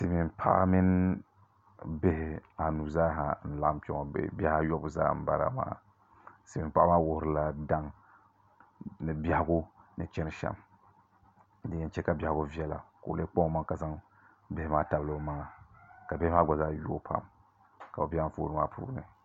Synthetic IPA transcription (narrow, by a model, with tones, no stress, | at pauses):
si˨mi˨mpʰa̰˦mi˦n | be˦hɪ˨a˨nu˨zaː˦ɦa˨n̩˦la˨ʔpɔ˦ŋɔ̰˨ba˦ha˦jɔ˦bza̰ː˦m̩˦ba˦˨ɾa̰˨ma̰ː˦ | sɨ˨mi˨mpa˦maː˦wʊ˦hɾɨ˦la˦da˦ŋ | nɨ˨ba˦ha˦ɡo˦nɨ˨t͡ʃɛ˦n˦ʃa̰˦m | dɨ˦jɛ˦n˦t͡ʃɛ˦ka˨bja˨hɡo˦vi˦ɛ˦la̰˨ko̰˨le˦k͡pɔ˦ma˦ka˨za˦ŋ | be˦hɪ˦maː˦ta˨bɨ˦lo˦ma˦ŋa˨ka˨be˦hɪ˦a˦ɡʷɔ˨zaː˦ju˦o˦pʰa̰˦˨m | ka˨o˨bʲa˦ɱ̩˦fo̰˦ɾɨ˦ma˦pʰṵː˦nɨ̰˨